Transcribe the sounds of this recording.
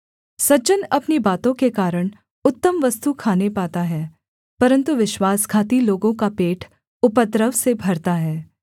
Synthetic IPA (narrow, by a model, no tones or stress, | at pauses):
sɐd͡ʒənɐpnibaːt̪õkekaːɾəɽ̃ | ʊt̪ːəmʋɐst̪ukʰaːnepaːt̪aɦɛː | pɐɾə̃nt̪uʋɪʃwaːskʰaːt̪iloːɡõkapeːʈʰ | ʊpət̪ɾəʋsebʱɐɾt̪aɦɛː